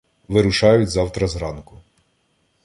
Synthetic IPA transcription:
ʋɪɾʊʃɑjʊtʲzɑwt̪ɾɐzɾɑnkʊ

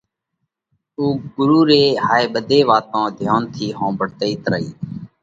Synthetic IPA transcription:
uːɡʊɾuːɾeːhaːeːɓəd̪ʱeːʋaːt̪ãːd̪ʱjaːnt̪ʰiːɦõːbəɽt̪eiːt̪ɾə̰ɦiː

